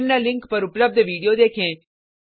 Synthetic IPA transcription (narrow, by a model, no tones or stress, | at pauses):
mnalɪŋkpəɾupləb̚d̪ʱəʋiɽijod̪ekʰẽ